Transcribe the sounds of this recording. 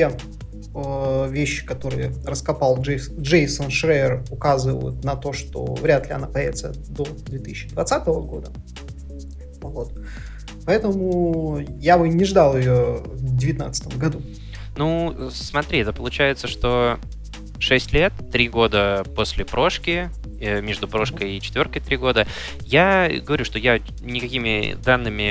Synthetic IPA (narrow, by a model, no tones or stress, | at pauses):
tʲe | əvʲeɕːɪ̥kɐt̪o̞ɾɨjərəskɐpɑlˠʐd͡ʐejsənʂɾeɪrʊkazɨvə̰jʊ̰t̪nɐt̪o̞ʂt̪o̞̰vɾʲat̪lʲɪɐ̰napɐjævɪt̪səd̪o̞d̪vʲet̪ɨsʲɪɕːɪd̪vɐt̪sat̪əvəɡo̞d̪ə | vo̞t̪ | pɐɛt̪əmʊjabɨnʲɪʐd̪ɑlˠɪjovdʲɪvʲɪt̪na̰t̪sə̥t̪əmɡɐd̪u | nusmɐt̪ɾʲiɛt̪əpəlˠʊt͡ɕæjɪt̪səʂt̪o̞ | ʂɛsʲtʲlʲe̞t̪ːɾʲiɡo̞d̪əpo̞sʲlʲɪpɾo̞ʂkʲɪ | mʲeʐd̪ʊpɾo̞ʂkəjɪt͡ɕɪ̥t̪vʲo̞rkəjt̪ɾʲiɡo̞d̪ə | jaɡəvɐɾʲuʂt̪o̞ja | nʲɪkɐkʲimʲɪ̰d̪anːɨmʲɪ